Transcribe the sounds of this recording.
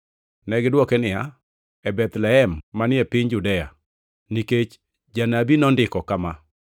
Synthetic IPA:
nɛɡɪdwɔkenɪja | ɛbɛt̪lɛɛmːanɪɛpɪɲd͡ʒudɛja̰ | niket͡ʃ | d͡ʒanabinɔndɪkɔkama

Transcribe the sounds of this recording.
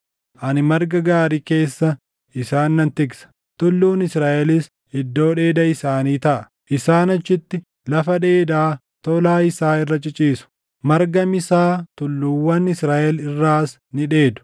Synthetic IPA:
ʔɐnɪmɐɾɡɐɡaːɾiːke̞ːsːɐ | ɪsaːnːɐnt̪ɪɡsɐ̥ | t̪ʊlːuːnɪsɾaːʔɛlɪs | ɪd̪ːo̞ːᶑe̞ːd̪ɐɪsaːniːt̪ɐʔɐ | ʔɪsaːnɐt͡ʃːɪt̪ːɪ | lɐfɐd̪eːd̪aː | t̪ɔlaːɪsaːɪrːɐt͡ʃʼɪt͡ʃʼiːsʊ̥ | mɐɾɡɐmɪsaːt̪ʊlːuːwːɐnɪsɾaːʔɛlɪrːaːs | nɪᶑe̞ːd̪ʊ̥

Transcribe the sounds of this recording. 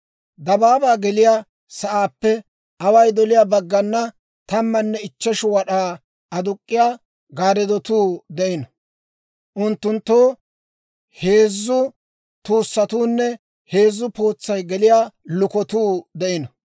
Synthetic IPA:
d̪ɐbaːbaːɡɛlɪja | sɐʔaːpːɛ | ʔɐwɐjd̪ɔlɪjaːbɐɡːɐnːɐ | t̪ɐmːɐnːɛɪt͡ʃːɛʃʊwɐɗaː | ɐd̪ʊkʼːɪjaː | ɡaːɾɛd̪ɔt̪uːd̪ɛʔɪnɐ | ʔʊnt̪ːʊnt̪ːoː | heːzːʊ | t̪uːsːɐt̪uːnːɛ | he̞ːzːʊpo̞ːt͡sːɐjɡɛlɪjaːlʊkɔt̪uːd̪ɛʔɪnɐ

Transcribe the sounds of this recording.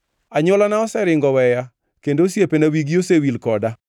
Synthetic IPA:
aɲʊlanaɔsɛɾɪŋɡɔwɛja | kendosjepenawiɡiosewilkɔda

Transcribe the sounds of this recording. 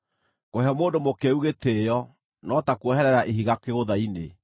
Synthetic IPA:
koheɔmoːndomokeuɣetejɔ | nɔtakuɔhɛɾɛɾaʔeɦiɣakeɣoðaine

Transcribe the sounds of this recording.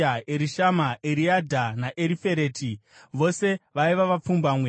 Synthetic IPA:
aeɾiʃamaʔeɾiadʱanaʔeɾife̞ɾe̞ːtʰiʋo̞se̞ʋaiʋaʋap͡fumbaːmwe

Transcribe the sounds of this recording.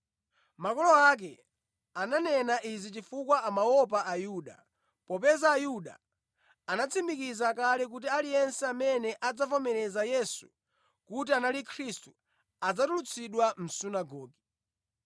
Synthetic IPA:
makɔlɔak̬ɛ | ananɛnaʔizit͡ʃifukwaamawɔp̬aʔajuɗa̰ | pɔpɛzaːjuɗa̰ | anat͡sʰimikizakalɛk̬ut̬ialijɛnsɛamɛnɛʔad͡zavɔmɛɾɛzajɛsu̥̰ | kut̬ianalikʰɾistu | ad͡zatulut͡sʰiɗwam̩sunaɡɔːɡi

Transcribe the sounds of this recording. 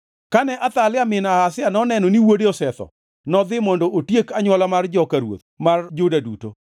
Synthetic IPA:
kanɛʔat̪alɪamɪnahasɪanɔnɛnɔniwodeɔsɛt̪ɔ̰ | nɔd̪ɪmɔndɔʔotjekaɲwɔlamard͡ʒɔkaɾwo̰t̪mard͡ʒodaduto̰

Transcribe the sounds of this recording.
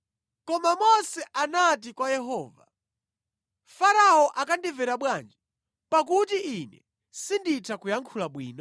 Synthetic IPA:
kɔmamɔsɛʔanat̬ikwajɛɦɔːva̰ | faɾaɔʔakandivɛɾaɓwand͡ʒɛ | pakutiinɛ̰ | sinditʰakujaŋkʰulaɓwḭːnɔ

